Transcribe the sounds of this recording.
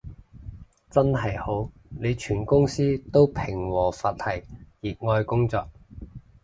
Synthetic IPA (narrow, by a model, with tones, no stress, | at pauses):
t͡sɐ˥nɦɐ˨jho˨˥w | ne˨˧jt͡ʃʰyː˨˩nkʊ˥ŋsiː˥t̪o˥wpʰɪ˨˩ŋwɔː˨˩faː˧t̚hɐ˨˩jjiː˨k̚ŋɔː˧jkʊ˥ŋt͡sɔː˧k̚